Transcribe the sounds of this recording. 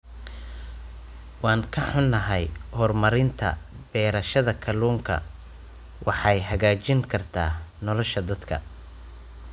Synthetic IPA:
wɑːŋkʰɐħʊnːɐɦɛjhɔrmɐɾɪnt̪ʰɐ̰ | b̥ɛːɾɐʃɐðɐkʰɐluːŋkʰɐ̰ | wʔɑħɑjɦɐɣaːt͡ʃɪŋkʰɐrt̪ʰa̰ːnɔlɔʃɐd̪ɐd̪kʰɐ̰

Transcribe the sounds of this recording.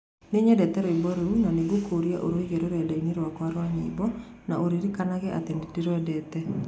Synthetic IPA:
neɲɛdɛtɛɾoebɔɾeunaneɣokoɾiaʔo̰ɾoeɣeɾoɾɛdaineɾwakwaɾwaɲiːbɔnaʔoɾiɾikanaɣɛʔatendetiɾwɛdɛtɛ

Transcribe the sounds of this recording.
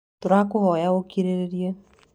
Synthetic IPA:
toɾakʊɦɔjaokeɾeɾeɾje

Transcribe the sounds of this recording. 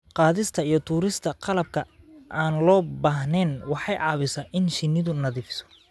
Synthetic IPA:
qɑːðɪst̪ʰɐijɞt̪ʰuːɾɪst̪ʰɐqɑlɐb̚kʰɐ | ʔaːnlɔːbaːɦnɛːnwɑħɑjʕɑːβɪsaʔɪnʃɪnːɪðʊnɐðiːfsɔ̥

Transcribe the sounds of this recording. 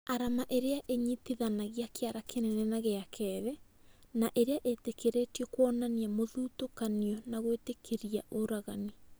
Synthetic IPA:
aɾamaʔeɾeaʔeɲitiðanaɣiakeaɾakʰenɛnɛnaɣeakʰɛːðɛ | naʔeɾeaʔetekʰeɾetiɔkwɔnaniamoðuːtokaniɔnaɣwetekʰeɾiaʔoɾaɣani

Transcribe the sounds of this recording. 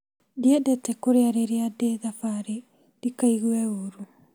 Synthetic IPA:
diɛdɛtɛkoɾeaɾeɾeadeðafaɾe | ɾikaiɣuɛoɾu

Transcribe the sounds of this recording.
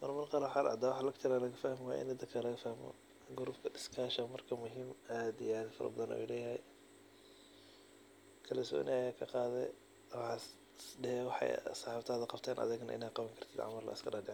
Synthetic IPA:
mɐrmɐnqɑɾɐħɑɾʔɑ̰d̪aːwɑħɑlɐkt̪ʰɪɾaːlɐɣɐfahmw̰ʔɪ̰nɪd̪ɐkʰɐlɐɣɐfahmɔ̰ | ɡʊɾʊbkʰɐdɪskʰaːʃɐmɐrkʰɐmʊɦiːmaːd̪ijaːd̪fɐ̰ɾɐ̰bɐðɐnṵjlɛːjɦɛj | kʰɐlɐsɔ̰ːnɪɐjaːkʰɐqɑːðɛ̰ | wɑɑ | ɖɛhɛwɑħɑ̰jsɑħɑːft̪ʰaːðɐqɑbt̪ʰɛːnʔɐ̰ðɪɣnɐ̰ʔɪ̰naːd̪qɑβɐŋkʰɐrt̪ʰid̪ʕɑ̰mɐrlɐ̰ɪskʰɐɾaːdɪʕ

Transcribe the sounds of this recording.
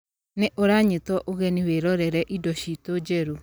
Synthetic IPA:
neʔoɾaɲetɔʔoɣɛniweɾɔɾɛɾɛʔidɔʃitod͡ʒɛɾu

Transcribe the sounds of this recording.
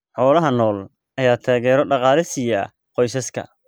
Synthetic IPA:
ħɔːlɐɦɐnɔːl | ɐjaːt̪ʰaːɣɛːɾɔɖɑqɑːlɪsɪjɐ̰ | qɔjsɐskʰɐ̰

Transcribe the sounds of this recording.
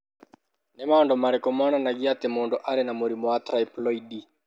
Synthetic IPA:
nɛmaɔndɔmaɾɛkɔmananaɡiat̪emoːndɔʔaɾɛnamoɾimɔat̪ɾaiplɔidi

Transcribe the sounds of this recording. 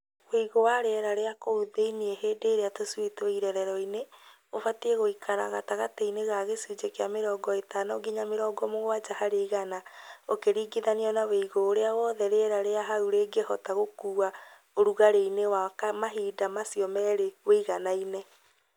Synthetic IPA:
weiɣowaɾeɛɾaɾeakouðeinieɦeːdeːɾeatoswetoiɾɛɾɛɾɔine | ofatieɣoikʰaɾa̰ɣataɣateineɣaɣesuːd͡ʒekeameɾɔːɡɔetanɔɡiɲameɾɔːɡɔmoɣwad͡ʒahaɾeiɣanaokeɾiːɡiðaniɔnaweiɣoːɾeawɔːðɛɾeɛɾaɾeaɦauɾeɡehɔtaɣokuːa | oɾuɣaɾeinewakamaɦiːdamasiɔmɛɾeweiɣanaine

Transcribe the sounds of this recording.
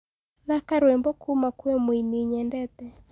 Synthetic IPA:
ðakaɾwɛmbɔkʰumakuɛmwiniɲɛndɛt̪ɛ

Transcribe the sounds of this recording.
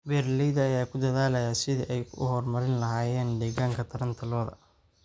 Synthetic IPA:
bɛːrlɛjðɐːjaːkʰʊd̪ɐðaːlɐjaːsɪðɪʔɛjʰʊ̰hɔrmɐɾɪnlɐɦaːjɛːnd̪ɛːɣaːŋkʰɐt̪ʰɐɾɐnt̪ʰɐlɔːðɐ̰

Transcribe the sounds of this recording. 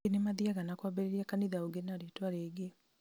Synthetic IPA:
enemaðiaɣanakwabɛɾeɾiakaniðaoɡenaɾetwaɾeɡe

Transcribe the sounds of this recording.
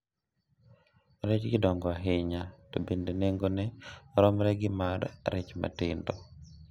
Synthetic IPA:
ɾɛt͡ʃɡɪdɔŋɡɔaɦɪɲatobendeneŋɡonɛɾɔmɾɛɡɪmarːɛt͡ʃma̰tɪndɔ

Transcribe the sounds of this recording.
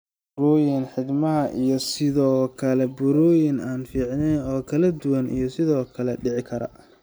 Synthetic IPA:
bɾɔːjɪnħɪd̪mɐɦɐʔijɔsɪðɔːkʰɐlɛbʊɾɔːjɪnaːnfiːʕnɛjnɔːkʰɐlɐd̪ʊwɐnḭjɞsɪðɔːkʰɐlɛɖɪʕɪkʰɐɾɐ̰

